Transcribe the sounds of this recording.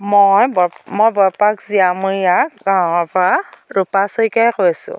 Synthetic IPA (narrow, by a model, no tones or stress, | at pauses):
mojbɔmojbɔɹpakziamuɹijakɡaɔpɹaɹupasɔikajkojasʊ̰̃